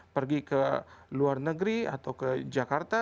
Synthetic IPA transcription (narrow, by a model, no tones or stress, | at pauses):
pərɡikəluarnəɡɾia̰t̪awkəd͡ʒakart̪a